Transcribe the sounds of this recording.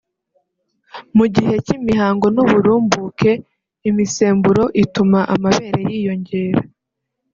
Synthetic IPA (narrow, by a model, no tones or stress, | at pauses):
muɟihe̞cimiɦaːŋɡo̞nuβuɾuːmbuke̞ | imiseːmbuɾo̞ʔitumaʔamaβe̞ːɾejiːjo̞ɲɟe̞ːɾa